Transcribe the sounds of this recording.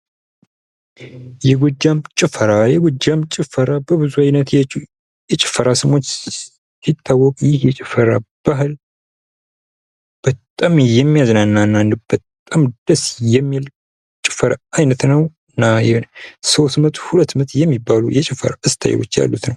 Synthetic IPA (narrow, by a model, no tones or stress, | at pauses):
jɛɡʊd͡ʒːamt͡ʃʼɪfəɾajɛɡʷɔd͡ʒːamt͡ʃʼɪfəɾabəβɨzuajnət̪ɛ | jɛt͡ʃʼɪ̥fːəɾʔasɨmwot͡ʃː | sit̪ʰːawːɔkʼjɪhjɛt͡ʃʼɪfəɾab̥aɦɨl | b̥ət̪ʼamjɛmːijaznanːanːand̪ɨb̥ət̪ʼamd̪̥əsjɛmːil | t͡ʃʼɪfəɾaajnət̪nəw | nːajɛso̞st̪mət̪ʼhulət̪ːmət̪jɛmːibalṵjɛt͡ʃʼɪfə̰ɾa̰ʔɨst̪ʰa̰jɛ̰wo̰t͡ʃːja̰lːut̪nəw